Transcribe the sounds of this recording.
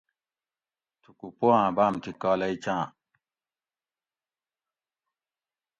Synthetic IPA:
tukupoãːbaːmt̪ikɔːlait͡ʃãː

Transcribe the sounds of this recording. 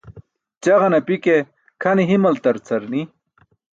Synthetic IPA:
t͡ɕɐʁɐnɐpike | kʰɐniɦimɐlt̪ɐɾt͡sʰɐɾni

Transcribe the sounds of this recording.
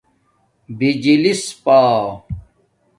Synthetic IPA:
bid͡ʑilispaː

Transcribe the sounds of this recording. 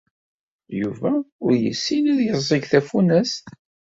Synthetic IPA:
juvæʊɾjə̰sːinæðjəzˤiɡθæfunæs

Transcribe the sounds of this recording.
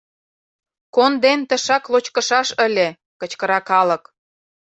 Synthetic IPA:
kond̪ent̪ə̆ʃɑklot͡ɕkə̆ʃɑʃə̆lʲĕ | kə̆t͡ɕkəɾɑkɑlə̆k

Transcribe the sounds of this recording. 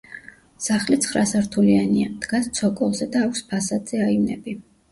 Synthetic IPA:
saχlit̪sʰχɾasaɾt̪ʰulianiamd̪̥ɡast̪sʰɔkʼɔlˠzɛd̪aːkʷʰspʰasad̪z̥ɛaivnɛ̰bi

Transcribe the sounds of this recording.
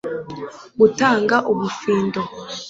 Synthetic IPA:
butaːŋɡaʔuβufiːndo

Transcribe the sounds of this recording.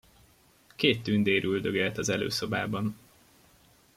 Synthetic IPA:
keːt̪ːynd̪eːɾʔyld̪øɡɛlt̪ɒzɛlø̰ːso̞baːbɒn

